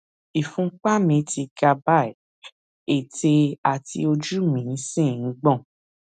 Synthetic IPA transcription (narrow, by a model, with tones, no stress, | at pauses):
i˨fũ˨˦k͡pa˦mĩ˧ti˧ɡa˧ba˦˨ | e˨te˧a˨tḭ˧o˧d͡ʒu˦mĩ˨˦sĩ˦˨n̩˦ɡ͡bɔ̃˦˨